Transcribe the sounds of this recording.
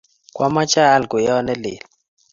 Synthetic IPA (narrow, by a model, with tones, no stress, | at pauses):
kʼwa˦ma˦t͡ʃʼaː˦˨lɡu˨jɔ˦nɛ˦lḛː˨l